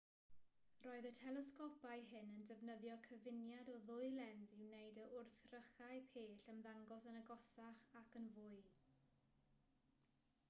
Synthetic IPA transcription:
rɔːɨðətʰɛlɛskɔpaɨɦɪnəndəvnəðjɔkʰəvɪnjadɔðʊɨlˠɛndɪwnejdəʔʊrθrəχaɨpʰeːɬənðaŋɡɔsənəɡɔsaχakənvʊɨ

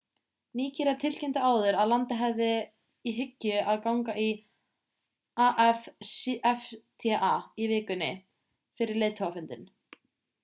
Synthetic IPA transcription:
niːcɪɾɛɾt̪ʰɪl̥cɛnt̪ɪaːwðʏɾaðlant̪ɪɦɛvðɪ | iɦʏcːʏaðkawŋkai | aʔɛfɛft̪ʰɛʔaivɪːkʏnɪ | fɪɾɪɾleːt̪ʰhɔafʏnt̪ɪn

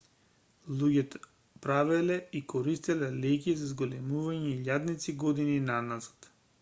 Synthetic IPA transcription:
lˠuɟʲɛt̪ | pɾavɛlɛikɔɾist̪ilɛlɛk̬izazɡolɛmuvaɲɛiʎad̪nit̪siɡɔd̪ininanazḁt̪

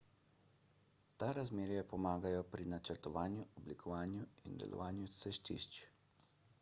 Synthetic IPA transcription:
t̪aɾazmeːɾjɛpɔmaːɡajɔpɾinat͡ʃəɾt̪ɔʋaːnjuɔblikʰɔʋaːnjuind̪ɛ̰lʔɔ̰ʋaːnjusɛʃt̪ḭʃt͡ʃ

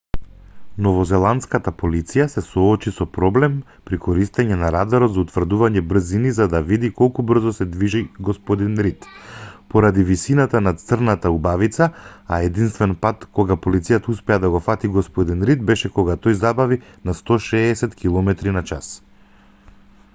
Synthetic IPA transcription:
nɔvɔzɛlˠant̪skat̪apolit̪sijasɛsɔːt͡ʃisɔpɾɔblɛm | pɾikɔɾist̪ɛɲɛnaɾad̪aɾɔt̪zaut̪vrd̪uvaɲɛbr̩zinizad̪avid̪ikɔlˠkubr̩zɔsɛd̪viʒiɡɔspɔd̪inɾit̪pɔɾad̪ivisinat̪anat̪sərnat̪aubavit̪saaɛd̪inst̪vɛnpat̪kɔɡapɔlit̪sijat̪auspɛad̪aɡɔfat̪iɡɔspɔd̪inɾit̪̚bɛʃɛkɔɡat̪ɔjzabavinast̪ɔʃɛːsɛt̪kilˠɔmɛt̪ɾinat͡ʃas

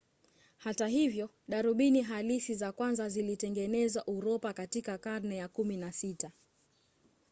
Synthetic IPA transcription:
hataɦivjɔ | ɗaɾuɓiniɦalisizakwanzazilitɛŋɡɛnɛzwaʔuɾɔpakatikakaɾnɛjakuminasita

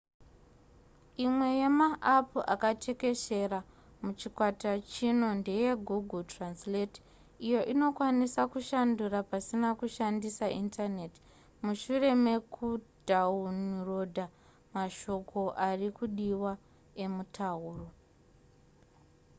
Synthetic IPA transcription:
imwe̞je̞maʔːpuakatʰe̞ke̞ʃe̞ra | mut͡ʃikwatat͡ʃino̞nde̞je̞ɡʱuɡʱultranslet | ijo̞ʔino̞kwanisakuʃandurapasinakuʃandisaintʰane̞ti̥ | muʃure̞me̞kʰudʱaunirodʱa | maʃo̞ko̞ʔarikuɗiwa | e̞mutʰauːro

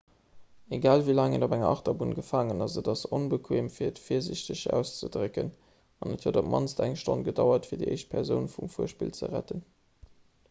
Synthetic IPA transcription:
eɡaːlvilaːŋədobæŋɐʔɑχtɐbunɡəfaːŋənɑsədɑsonbəkʰweːmfiːɐətfiːɐziɕtəɕæ̰ʊst͡sədʁəkən | ɑnəthodop̚mɑ̰nstʰæŋʃtonɡədɑʊɐtfiːɐdiʔḛɪʃt̚pʰɛʁzəʊnfumfuəʃpḭlt͡sə̰ʁæ̰tən

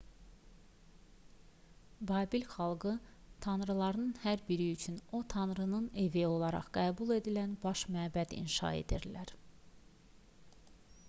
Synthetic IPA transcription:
bɑːbilxɑlˠɡɯt̪ʰɑnɾɯlˠɑɾnɯnhæɾbiɾiyt͡ʃʰyno̞t̪ʰɑnɾɯnɯne̞vijo̞lˠɑɾɑ̰ʁɡ̥æːbulˠe̞d̪ilænbɑʃmæːbæd̪ḭnʃɑ̰e̞̰d̪iɾlæɾ

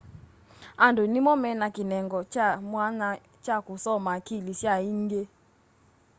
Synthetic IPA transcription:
andonimɔmɛnakinɛŋɡɔt͡ʃamwana | t͡ʃakusɔmaːkiliʃjaiŋɡe

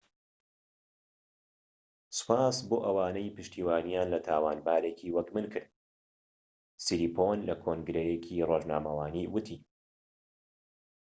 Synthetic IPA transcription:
sɨ̥paːsboːʔɐwaːnejpɨʃt̪ʰiːwaːnijaːnlɐt̪ʰaːwaːnbaːɾekʰiːwɐkmɨnkʰɨɾd̪ | siɾiːpʰonlɐkʰoŋɡɾejekʰiroːʒna̰ːmɐwaːniwɨt̪ʰi

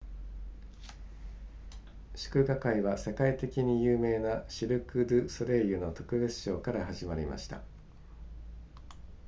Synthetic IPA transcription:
ɕɨ̥kɯ̟ɡakaiβase̞kait̪e̞kʲiɲ̟ijɯːme̞ːnaɕiɾɯ̟kɯ̟d̪ɯ̟soɾe̞jɯ̟not̪o̞kɯ̟be̞t͡sɨ̥ɕo̞ːkaɾaɦaʑimaɾʲḭma̰ɕi̥t̪a̰

